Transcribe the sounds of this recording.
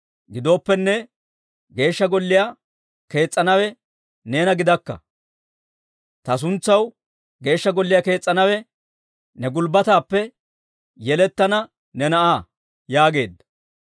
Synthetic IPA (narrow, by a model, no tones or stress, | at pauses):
ɡɪd̪o̞ːpːɛnːɛ | ɡe̞ːʃːɐɡɔlːɪja | ke̞ːt͡sʼːɐnɐwɛ | ne̞ːnɐɡɪd̪ɐkːɐ̰ | t̪ɐs̬ʊnt͡sːɐw | ɡe̞ːʃːɐɡɔlːɪjake̞ːt͡sʼːɐnɐwɛ | nɛɡʊlbɐt̪aːpːɛ | jɛlɛt̪ːɐnɐ | nɛnɐʔaː | jaːɡe̞ːd̪ːɐ̥